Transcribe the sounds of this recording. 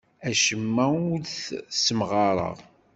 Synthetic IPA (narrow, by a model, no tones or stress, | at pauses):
æʃəmːæuθsəmʁɑɾˤə̰ʁ